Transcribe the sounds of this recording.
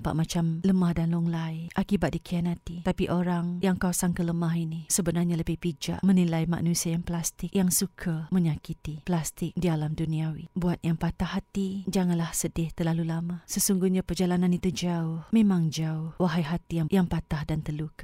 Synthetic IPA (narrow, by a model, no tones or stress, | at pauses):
mpa̰ʔmat͡ʃamləmahdanlɔŋlajʔakibat̪̚dikianat̪it̪apiʔoɾaŋjaŋkawsaŋkələmaɦinisəbənarɲaləbɪhpid͡ʒa̰ʔmənilajma̰ʔnusiajaŋplast̪ɪkjaŋsukʰamə̃ɲakit̪iplast̪ɪk̚dialamduniawḭbuat̪̚jaŋpat̪ahat̪id͡ʒaŋanlahsədɪht̪ərlalulamasəsuŋɡuhɲapərd͡ʒalanãnit̪ud͡ʒaʊhmẽmãŋd͡ʒaʊhwaɦajɦat̪ijaŋjaŋpat̪ahdant̪əluk